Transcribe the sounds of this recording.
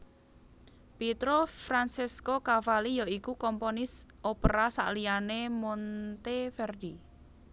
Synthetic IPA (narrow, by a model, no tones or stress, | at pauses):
pit̪ɾofɾansiskokafalijɔikukɔmponɪsʔopəɾasa̰ʔlijanemont̪efɛrd̪i